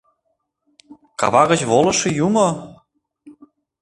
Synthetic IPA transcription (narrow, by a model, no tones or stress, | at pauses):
kɑ̰βɑɣə̆t͡ɕβolɤ̆ʃĕjumo